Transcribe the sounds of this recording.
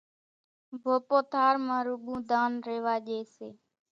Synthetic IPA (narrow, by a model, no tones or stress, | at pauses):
bʱoːpoːt̪ʰaːɾmãːɾʊɠũːd̪aːnɾeːʋaːʄeːseː